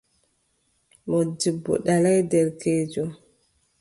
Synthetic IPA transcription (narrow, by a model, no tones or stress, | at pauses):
mɔdibːɔ̰ɗalajdɛɾkeːd͡ʒɔ